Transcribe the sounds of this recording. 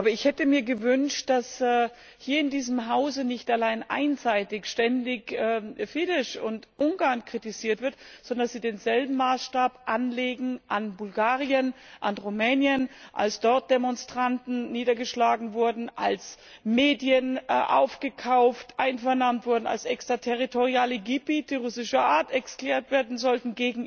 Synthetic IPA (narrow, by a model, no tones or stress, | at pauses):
aːbɐɪçhɛtəmiːɐɡəvʏnʃt̚d̥asɛː | hiːɐɪndiːzəmɦaʊzənɪçtalaɪnʔa̰ɪnzaɪtɪçʃtɛndɪçɛːfɪlɪʃʊntʔʊŋɡaɐnkʁ̥itiziːɐtv̥ɪɐtz̥ɔndɐasz̥iːdeːnzɛlbm̩maːsʃtaːpʔanleːɡŋ̩ʔanbʊlɡaːʁiənʔanʁumɛːnjənʔa̰lsd̥ɔɐt̚d̥emɔnstʁ̥antn̩niːdɐɡəʃlaːɡŋ̩vʊɐdn̩ʔa̰ls | meːdjənʔa̰ʊfɡ̥əkʰaʊftʔaɪnfɛɐnamntv̥ʊɐdn̩a̰lsʔɛkstʁ̥ɐtʰɛʁitʰoʁiaːləɡibiːtʰəʁʊsɪʃɐʔaːɐtɛɐskl̥ɛːɐtv̥eːɐdn̩zɔltn̩ɡeːɡŋ̩